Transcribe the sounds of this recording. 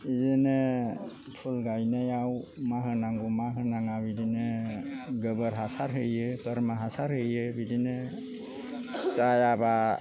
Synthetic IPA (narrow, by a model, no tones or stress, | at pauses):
izene | pʰulɡajnajawmaɦɯnaŋɡumaɦɯnaŋabidine | ɡəbəɾɦasaɾɦɯjɯpəɾmaɦasaɾhɯjɯbidinɛ | t͡ʃajaba